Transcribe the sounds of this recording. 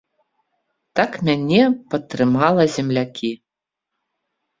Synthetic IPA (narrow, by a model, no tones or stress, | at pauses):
t̪akmʲanʲɛpɐt̪ːrɾɨmɑlˠɐzʲɛmlʲakʲi